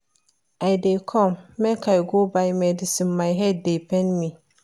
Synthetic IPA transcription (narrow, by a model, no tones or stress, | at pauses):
adekʰɔmmɛ̃kʰajɡobajmɛ̃dɪsĩmːãjɦɛd̚depʰɛ̃nmĩ